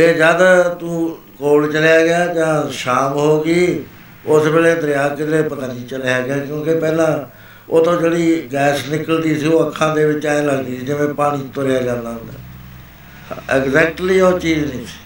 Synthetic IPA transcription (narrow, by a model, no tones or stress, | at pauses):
d͡ʒeːd͡ʒjaːd̪aːt̪ũː | koːlt͡ʃəlejaːɡɪjaːd͡ʒãːʃaːmɦoːɡiː | ʊsbeːleːd̪əɾɪjaːkɪɾeːpət̪ãːniːt͡ʃəleːaːɡɪjaːkjõːkepɛːlãː | oːt̪õːd͡ʒeːɽiːɡɛːsnɪkəld̪iːsiːoːəkʰːãːd̪eːʋɪt͡ʃaːẽləɡd̪iːsiːd͡ʒɪʋẽːpaːɽ̃ĩːt̪oɾejaːd͡ʒãːnd̪aːɦʊ̃nd̪a̰ː | ɛɡzɛːk̚ʈliːoːt͡ʃiːd͡ʒnĩːsi̥ː